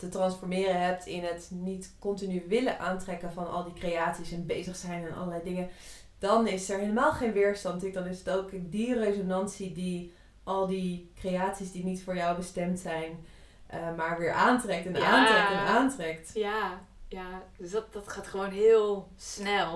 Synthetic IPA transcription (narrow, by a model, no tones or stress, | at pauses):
tətrɑnsfɔɹmɪːrəɦɛp̚tʰɪnɦətnitkɔntinyʋɪləʔaːntrɛkənvɑnɑ̰lˠdikrejaːtsisɛnbejzəχsɛjnɛnʔɑ̰lˠəlɛjdɪŋə | d̥ɑnɪsəɹɦeləmaːlˠχejnʋɪːɹstɑntɪk̚dɑnɪsətowkdirejzonɑnsidi | ʔɑlˠdikrejaːtsisdinitfʊːɹjɔwbəstɛmtsɛjn | ʔəmaːɹʋɪːɹʔaːntrɛk̚tɛnaːntrɛktɛnaːntrɛktja | jadstdɑtχaːtχəʋownɦɪːlˠsnɛlˠ